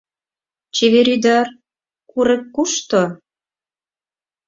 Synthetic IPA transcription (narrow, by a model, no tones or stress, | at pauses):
t͡ɕeβeɾyd̪ɑr | kuɾĕkːuʃt̪o